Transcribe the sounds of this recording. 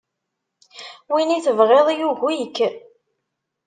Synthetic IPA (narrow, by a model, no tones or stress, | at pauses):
winiθəvʁeðˤijuʝijəkː